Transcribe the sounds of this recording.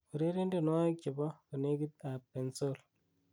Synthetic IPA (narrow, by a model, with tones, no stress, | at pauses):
u˨ɾe˦ɾe˦nde˦˨n˦wa˦k̚t͡ʃi˨bɔ˦kɔ˨ne˦ɡi˦t̪̚a˨pe˨nso˦l